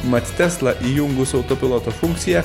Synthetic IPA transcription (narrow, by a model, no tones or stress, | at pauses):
mɐt̪ʲt̪ʲɛslˠɐʔiːjʊŋɡʊsɔʊt̪opʲɪlˠoːt̪ofuŋʲkt̪sʲɪjɛ